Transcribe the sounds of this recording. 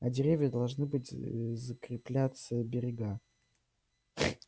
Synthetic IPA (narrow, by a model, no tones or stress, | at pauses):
ɐdʲɪɾʲevʲjəd̪ɐlˠʐnɨbɨtʲzəkɾʲɪplʲat̪səbʲɪɾʲɪɡa